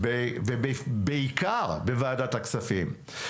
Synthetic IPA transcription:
bevebebeikaʁbevaːdat̪aksafim

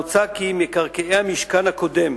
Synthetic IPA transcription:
t͡sakimekaʁkeehamiʃkanhakod̪em

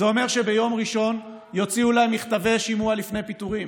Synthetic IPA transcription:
zeo̞me̞ʁʃe̞be̞jo̞mʁiʃo̞n | jo̞t͡siulajmiχt̪ave̞ʃimualifnejpit̪uʁim

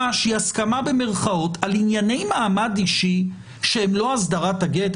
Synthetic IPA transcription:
aʃiaskamabe̞me̞ʁχao̞tʰalinjane̞jmaːmadiʃi | ʃeemlo̞asdaʁataɡet

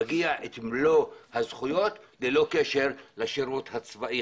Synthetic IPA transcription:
ɡiaʔet̪mlohazχujo̞t̪lelo̞keʃeʁlaʃiɾut̪hat͡svaʔi

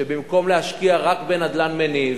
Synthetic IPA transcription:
ebimko̞mlehaʃkiaʁakbe̞nad̪lanmeni

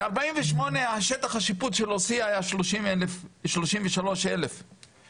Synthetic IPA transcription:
aʁbaiɱveʃmo̞nehaʃet̪aχaʃiput̪ʃelosiaajaʃloʃimlefʃloʃimveʃalo̞ʃelef

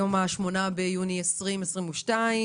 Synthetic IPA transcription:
omaʃmo̞nabejuniesʁimesʁimuʃtai

